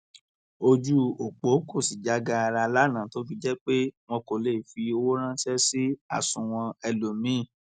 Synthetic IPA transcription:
o˧d͡ʒu˦o˨k͡po˨˦ko˦˨si˨d͡ʒa˨˦ɡa˧a˧ɾa˧la˦nã˨to˨˦bi˦d͡ʒɛ˦k͡pe˦w̃ɔ̃˧ko˨le˦˨fi˧o˧wo˦ɾ̃ã˦sɛ˦si˦a̰˦˨sũ˨w̃ɔ̃˧ɛ˧lo˨mĩ˨˦˨

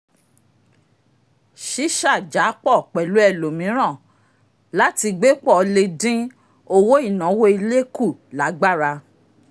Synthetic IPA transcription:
ʃi˦ʃa˦˨d͡ʒa˨˦k͡pɔ˦˨k͡pɛ˨lu˨˦ɛ˦˨lo˨mĩ˨˦ɾ̃ã˦˨ | la˦ti˧ɡ͡be˦k͡pɔ˦˨˧le˧dĩ˦ | o˧wo˦i˦˨nã˨˦wo˦i˧le˦ku˦˨la˨˦ɡ͡ba˦˨ɾa˧

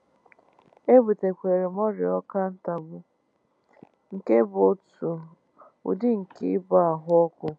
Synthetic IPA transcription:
e˦bu˨te˨kʷe˨ɾe˨m˦ɔ˦ɾɪ˨ɔ˦ka˦n̩˦ta˨bʊ˦ | ŋ̩˨ke˦bo˦˨tu˨ | ṵ˨dɪ˦ŋ̩˨kɪ˦ba˦a˨ɦʊ˦ɔ˦kʊ˦

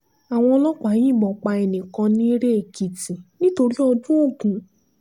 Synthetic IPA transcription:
a˨w̃ɔ̃˧lɔ˦k͡pa˨˦j̃ĩ˦˨bɔ˨k͡pa˧ɛ˧nĩ˨kã˧nĩ˦ɾe˦e˨ki˨ti˨nĩ˦to˧ɾi˦ɔ˧dũ˦o˦˨ɡũ˨˦

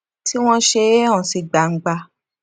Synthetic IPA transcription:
ti˦w̃ɔ̃˦ʃe˧e˦ã˦˨si˨˧ɡ͡ba˨ŋ̩˨ɡ͡ba˧

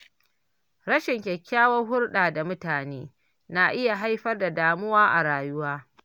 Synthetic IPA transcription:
ɽɐ˦ʃɪ˨ŋkʲɛ˨kʲːaː˦wɐ˦rɦʊ˦rɗaː˨da˨mʊ˦taː˨neː˦ | na˨ʔɪ˦ja˨ɦa˦jɸɐ˦rda˨daː˨mʊ˦waː˦ʔa̰˨ɽaː˨jʊ˦waː˦

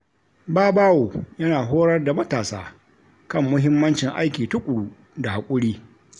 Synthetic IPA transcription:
baː˦baː˦woː˨jɐ˦naː˨ɦoː˦ɽɐ˦rda˨mɐ˦taː˨saː˦ | kɐ˦˨mːʊ˦ɦɪ˦mːɐ˦nt͡ʃɪ˨ŋʔa̰˦jkʲiː˨tʊ˦kʷʼʊ˨ɽuː˦ | da˨ha˨kʷʼʊ˦ɽiː˦

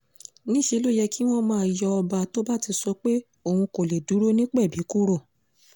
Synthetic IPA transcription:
nĩ˦ʃe˧˦lo˦jɛ˧ki˦w̃ɔ̃˦mã˧a˨jɔ˧ɔ˧ba˧˨to˦ba˦ti˧sɔ˧k͡pe˦ | o˨hũ˧ko˨le˨du˨˦ɾo˦nĩ˦k͡pɛ˦˨bi˨˦ku˦ɾo˦˨

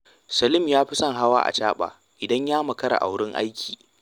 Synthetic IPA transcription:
sɐ˨lɪ˦mjaː˦ɸɪ˦sɐ˦ŋɦa˦wa̰ː˦ʔa̰˨t͡ʃaː˦ɓa̰ː˨ | ʔɪ˨dɐ˦ɲjaː˦mɐ˨kɐ˦ɽa̰˨ʔa̰˨wɽɪ˦ŋʔa̰˦jkʲʰi̥ː˨

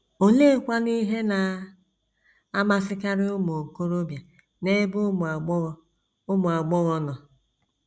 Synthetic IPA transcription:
o˨le˦kʷa˦ni˦ɦe˦na˨ | a˦ma˦sɪ˦ka˦ɾɪ˦ʊ˦mo˨ko˦ɾo˦bja˨ | ne˦bʊ˦m˨a˨ɡ͡bɣ | ʊ˦mʊ˨a˨ɡ͡bɔ˦ɣɔ˦nɔ˨

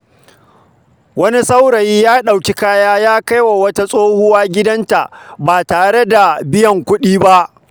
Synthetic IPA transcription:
wɐ˦ni˦sa˦wɽɐ˨jiː˦jaː˦ɗa˨wkʲi˦kaː˦jaː˦jaː˦ka˦jwa˨wɐ˦ta˦sʼoː˦hʊ˦waː˦ɡʲɪ˦dɐ˦nta˨ʔbaː˨taː˨ɽe˦da˨bɪ˦jɐ˨ŋkʷʊ˦ɗiː˦ba˦ʔ

